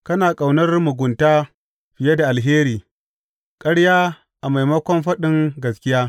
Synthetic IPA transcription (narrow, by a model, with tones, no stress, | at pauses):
kɐ˦naː˨kʼa˨wnɐ˦rmʊ˨ɡʷʊ˨ntaː˦ | ɸɪ˨je˦da˨ʔa˨lɦeː˦ɾiː˨ | kʼɐ˦ɽjaː˦ | ʔa˨ma˨jmɐ˦kʷɔ˦mɸɐ˦ɗɪ˦ŋɡɐ˨skʲɪ˦jaː˦